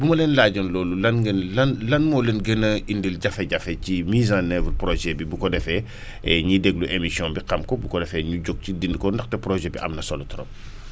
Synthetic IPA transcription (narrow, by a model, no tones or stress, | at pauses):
bumɐlɛːnlaːɟɐnlɔːlulɐnɡnlɐnlɐnmɔːlɛnɡɛnɐindilɟɐfɛɟɐfɛcimiːzãnɛvlpɾɔʒɛbibukɔdɛfɛ | ɛɲidɛɡluʔemisijɔ̃nbiqɐmkɔbukɔdɛfɛɲuɟɔɡ̚cidindkɔndɐxtɛpɾɔʒɛbiʔɐ̰mnɐsɔlutɾɔ̰m